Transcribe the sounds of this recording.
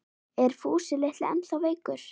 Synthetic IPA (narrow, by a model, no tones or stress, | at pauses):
ɛɾ̥fuːsɪleht̪lɛ̰nawveːjkʏɾ̥